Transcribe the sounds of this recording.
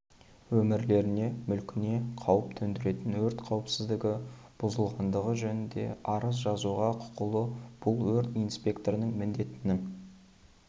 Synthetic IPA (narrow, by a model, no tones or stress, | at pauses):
wɵmɪɾle̞ɾɪne̞mʏlkʲɪne̞qʰɑwəp̚t̪ʰɵnd̪ɪɾe̞t̪ɪnwɵɾt̪qʰɑwəpsɪzd̪ɪɡʲɪb̥ʊzəlˠʁɑnd̪əʁəʒɵnɪnd̪e̞̰ʔɑɾəs̬ʒɑzuʁɑqʰʊ̥qəlˠəb̥ʊlˠwɵɾt̪ijnspʲe̞kt̪oɾnəŋmɪnd̪e̞t̪ɪnɪŋ